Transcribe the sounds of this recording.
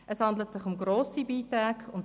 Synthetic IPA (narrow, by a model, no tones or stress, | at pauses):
ɛshɑndlətsɪχʊmɡɾoːsibiːtɾaːɡʊnt